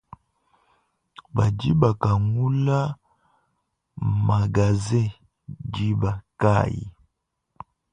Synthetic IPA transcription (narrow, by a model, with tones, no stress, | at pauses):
ba˨d͡ʒi˦ba˨ka˨ŋu˦la˦ | ma˨ɡa˨zɛ˦ | d͡ʒi˦ba˨ka˦˨jḭ˨